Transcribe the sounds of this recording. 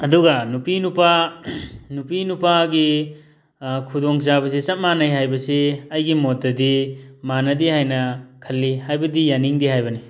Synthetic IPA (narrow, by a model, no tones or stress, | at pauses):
ɐduɡɐnupinupa | nupinupaɡi | kʰudoŋzabɐs̬isɐt̚manɐjɦajbɐsiɐjɡimot̚ːɐdimanɐdihajnɐkʰɐlːihajbɐdijaniŋdihajbɐni